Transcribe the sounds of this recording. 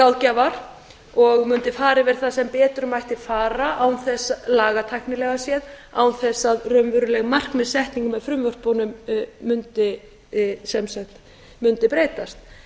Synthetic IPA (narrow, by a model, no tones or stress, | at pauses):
kawðcavaɾ̥ | ɔɣmʏnt̪ɪfaːɾɪvɛːɾθasɛmpɛːt̪ʏɾmajht̪ɪfaːɾaʔawnθɛsːalaːɣat̪ʰajhknɪlɛɣasjɛðaːwnθɛsːaðrœmvʏɾʏlɛɣmar̥kmɛðsɛht̪niŋkʏmɛðfɾʏmvœr̥pɔnʏmːʏnt̪ɪ | sɛmsɛht̪ | mʏnt̪ɪpɾeːjt̪ast̪